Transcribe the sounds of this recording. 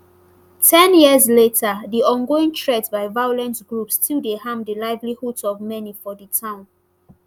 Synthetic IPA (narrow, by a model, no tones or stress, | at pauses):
tʰɛ̃njizletʰədiʔɔ̃nɡoĩŋtʰɹɛdsbaɪvajolɛ̃nsɡ̥ɹupstʰildehãmdəlaɪvlihudsɔvmɛnifɔdətʰãʊ̃n